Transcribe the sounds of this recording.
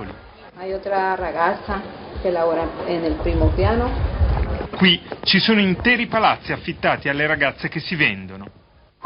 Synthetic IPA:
oli | ajot̪ɾaraɣat̪sakelaβoɾaenelpɾimopjano | kwit͡ʃisoːnoint̪ɛːɾipalat̪sːiafːit̪ːaːt̪ialːeɾaɡat̪sːek̟esːivɛnd̪ono

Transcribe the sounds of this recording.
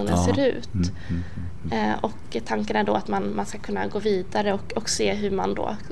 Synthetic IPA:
uːnənseːɾʉ̟̰ːt̪ | ɔkt̪ʰaŋkənæɖɔat̪manmanskakʰɵnːa̰ɡoːviːd̪aɾəɔkɔkseːɦɵma̰nd̪o̰ː

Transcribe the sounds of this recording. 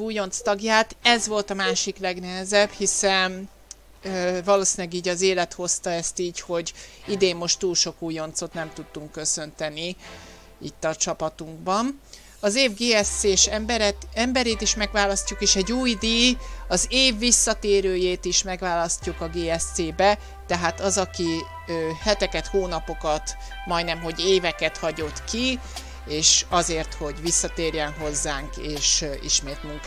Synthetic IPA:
uːjo̞nt̪st̪ɒɡjaːt̪ɛzvo̞lt̪ɒmaːʃiklɛɡnɛɦɛzɛbhisɛn | vɒloːsiːnlɛɡiːɟɒzeːlɛt̪ho̞st̪ɒɛst̪iːcho̞ɟid̪eːmːo̞ʃt̪ːuːlʃo̞kuːjo̞nt̪so̞t̪nɛmt̪ut̪ːuŋkːø̞sø̞nt̪ɛni | it̪ːɒt͡ʃɒpɒt̪uŋɡbɒn | ɒzeːvɡeːɛsseːʃbɛɾɛɛmbɛɾeːt̪iʃmɛɡvaːlɒscukeːʃɛɟːuːjd̪iɒzeːvːisːɒt̪eːɾøːjeːt̪iʃmɛɡʋaːlɒscukɒɡeːɛseːbɛ | t̪ɛɦaːt̪ɒzɒki | øːhɛt̪ɛkɛt̪hoːnɒpo̞kɒt̪ | mɒjnɛmɦo̞ɟeːvɛkɛt̪hɒɟo̞t̪ki | eːʃɒzeːrt̪ho̞ɟʋisːɒt̪eːrjɛnɦo̞zːaːŋkeːʃḭʃmeːt̪muŋk

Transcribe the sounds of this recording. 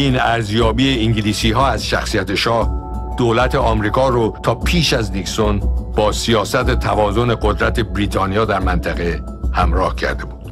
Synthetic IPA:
inæɾzjɒːbiːeiŋɟiliːsiːɦɒːæz̥ʃæ̰xsijæt̪ʰeʃɒːh | d̪̥oːlæt̪ʰe̞ɒːmɾiːkʰɒːɾot̪ʰɒːpʰiːʃæzniksonb̥ɒːsijɒːsæt̪et̪ʰævɒːzo̞ne̞ɡod̪ɾæt̪ʰe̞bɾiːt̪ʰɒːnijɒːd̪æɾmænt̪ʰæɣe | hæmɾɒːhcʰæ̰ɾd̪e̞buːd̪̥

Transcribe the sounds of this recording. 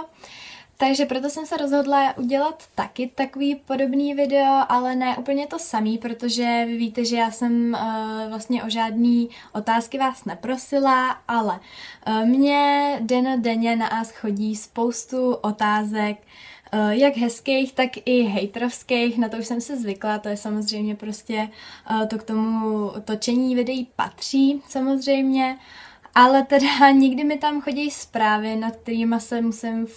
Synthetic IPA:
t̪aɡʒɛpɾo̞t̪̬o̞sɛmsɛɾo̞zɦo̞dlaʔuɟɛlat̪ːakɪt̪akoviːpo̞do̞bniːvɪdɛo̞ʔalɛnɛːʔuːpl̩ɲɛt̪o̞samiːpɾot̪o̞ʒɛvɪviːt̪ɛʒɛjaːsɛmvlast̪ɲɛʔo̞ʒaːdniː | ʔo̞t̪aːskɪvaːsnɛpɾo̞sɪlaʔalɛ | mɲɛdɛnodɛɲɛnaʔaːsxo̞ɟiːspowst̪uʔo̞t̪aːzɛk | jaɡɦɛskejxt̪akɪɦɛjt̪ɾofskejxnat̪ouʃsɛmsɪzvɪklat̪o̞jɛsamo̞zr̝ɛjmɲɛpɾo̞scɛt̪okt̪o̞mut̪ot͡ʃɛɲiːvɪdɛjiːpa̰t̪r̝̥iːsamo̞zr̝ɛjmɲɛʔalɛt̪ɛdaɲɪɡdɪmɪt̪amxo̞ɟɛjspɾaːvɪnat̪k̚t̪ɛɾiːmasɛmusɪm

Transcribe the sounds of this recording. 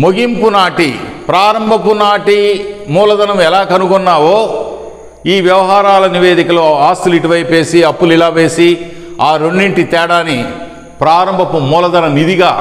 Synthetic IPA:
moɡimpunaːʈipɾaːɾɐmbʱɐpunaːʈimuːlɐd̪ɐnɐmɛlaːkɐnukɔnːaːʋoː | iːʋjɐʋɐɦaːɾaːlɐniʋeːd̪ikɐloaːst̪uliʈuʋɐjpe̞ːsiɐpːulilaːʋe̞ːsi | aːɾoɳɖiɳʈit̪ɛːɽaːni | pɾaːɾɐmbʱɐpumuːlɐd̪ɐnɐmnid̪iɡaː

